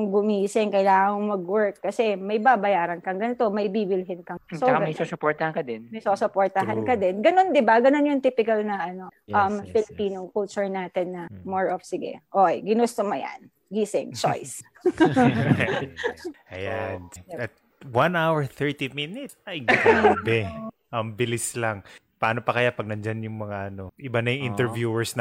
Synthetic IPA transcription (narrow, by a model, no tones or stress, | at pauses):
ʊŋɡʊmiːsɪŋkɐjlaːŋɐŋɐŋmɐɡwɛɹkːɐsɛmɐjbabɐjaːɾɐnkɐŋɡɐnɪt̪o̞mɐjbiːbɪlɦɪnkɐsoɡmɐjsosopɔɹt̪ɐhɐnkɐd̪ɛnmɐjsosopoːɹt̪ɐɦɐnkɐd̪ɛnɡɐno̞nd̪ɪbaɡɐnonjʊŋt̪iːpɪkɐlnɐʔɐno̞ʔɐmfɪlɪpiːnokʊlt͡ʃʊɹnaːt̪ɛnːɐmoɹʔofsɪɡɛ̰ʔoʔjɡɪnost̪omɐja̰n | ɡiːsɪ̰ŋt͡ʃo̰js | ʔɐjanɐt̪̚ | wanawɛɹθɛɹt̪iminɪt̪ɐjɡbɛ | ʔɐmbɪlɪslaŋ | pɐaːnopɐkɐjapɐɡ̚nɐnd͡ʒanjʊŋmɐŋaʔɐno̞ʔɪbanɐjŋʔɪnt̪ɛɹvjuːɛɹsn